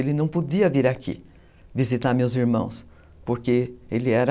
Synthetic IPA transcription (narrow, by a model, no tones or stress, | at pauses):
elɪnɐ̃w̃pod̪iɐviɾakʰḭ | vizit̪aɾmewziɾmɐ̰̃w̃s | poɾkeelɪɛɾɐ